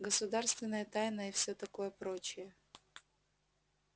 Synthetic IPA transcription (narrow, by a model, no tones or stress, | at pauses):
ɡəsʊd̪arst̪vʲɪnːəjət̪ajnəɪfsʲot̪ɐko̞jəpɾot͡ɕɪjə